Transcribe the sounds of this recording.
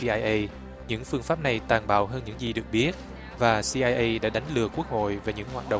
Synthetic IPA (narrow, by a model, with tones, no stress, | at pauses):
i˧aː˧jʔə˧j | ɲɨ̰˧˥ŋfɨ˧əŋfaː˦˥p̚na˨˩jt̪aː˨˩nɓa̰ː˧˨wɦəː˧nɲɨ̰˧˥ŋzi˨˩ɗɨ˨˩ək̚ɓi˦˥ət̚ | vaː˨˩si˧ʔaː˧jʔə˧jɗa̰ː˧˥ɗa˨˦jŋ̟lɨ˨˩əku˦˥ək̚ho̰˧˨jve˨˩ɲɨ̰˧˥ŋhwaː˨˩t̚ɗə̰˧˨